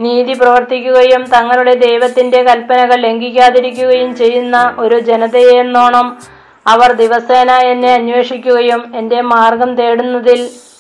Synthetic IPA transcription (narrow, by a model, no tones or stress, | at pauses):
niːðiprɐʋɐrt̪ikʲːuɣɐjumt̪ɐŋːɐluɽe̞d̪e̞jʋɐt̪ːinde̞kɐlpɐnɐɣɐɭle̞ŋɡikʲːaːðiɾikʲːuɣɐjumt͡ɕe̞jːunːɐʔo̞ɾud͡ʑe̞nɐðejeenːoːɳɐm | ɐʋɐrd̪iʋɐseːnaːjenːe̞ɐnwe̞ːʂikʲːuɣɐjume̞nde̞maːrɡɐmt̪e̞ːɽunːɐðil